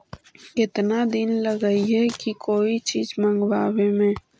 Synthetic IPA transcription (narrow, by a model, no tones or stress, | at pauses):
ɪt̪nad̪inlɐɡəiɦɛkikoːit͡ʃiːzmɐ̃ŋɡʋaːwẽmẽː